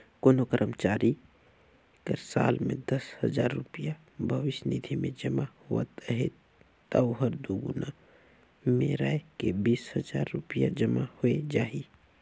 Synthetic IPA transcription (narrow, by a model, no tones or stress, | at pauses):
koːnokəɾʔəmt͡ʃaːɾi | kəɾsa̰ːlmḛ̃d̪ɐshəzaːɾːʊpija | bʱɐʋɪsnid̪ʰʱimẽd͡ʒɐmahʊa̰t̪əɦe | t̪awɦəɾd̪uɡṵna | mẽɾaːekebiːshəzaːɾːʊpija̰d͡ʒəmahoed͡ʒaːi